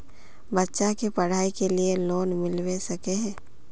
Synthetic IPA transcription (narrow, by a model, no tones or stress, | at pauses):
bɐtːʃakepɐɽ̤aːikelieloːnmɪlwesɐkeɦɛ̃ː